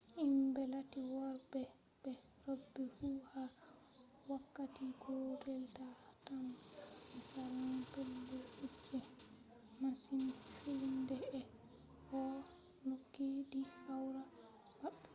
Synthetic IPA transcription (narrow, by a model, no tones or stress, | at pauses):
ʔimbɛlatiwɔɾbɛ | bɛɾobːifuha | wakːatiɡodɛltatamɛsaɾanapɛlːuut͡ʃːɛ | masinfindɛɛ | hɔ | nokːediawɾa | baɓːɛ